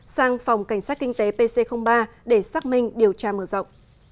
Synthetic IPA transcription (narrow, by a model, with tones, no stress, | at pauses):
saː˧ŋfa˨˩wŋ͡mka˧˩jŋ̟saː˦˥t̚kï˧ŋ̟t̪e˨˦pe˧se˧xə˧wŋ͡mɓaː˧ɗe˧˩saː˦˥k̚mï˧ŋ̟ɗi˨˩əwt͡ɕaː˧məː˧˩zə̰˧˨wŋ͡mʔ